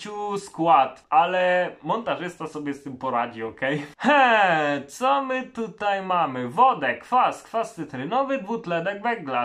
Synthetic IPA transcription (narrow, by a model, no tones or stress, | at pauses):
uskwat̪alɛmɔnt̪aʐɘst̪asɔbʲjɛst̪ɘmpɔɾad͡ʑiɔkɛjhɛt̪sɔmɘt̪ut̪ajmamɘvɔd̪ɛkfaskfast̪ɘt̪ɾɘnɔvɘd̪but̪lɛd̪ɛɡvɛɡla